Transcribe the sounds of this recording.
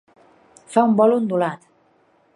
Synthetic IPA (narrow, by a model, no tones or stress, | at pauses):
faumbɔlund̪ulat̪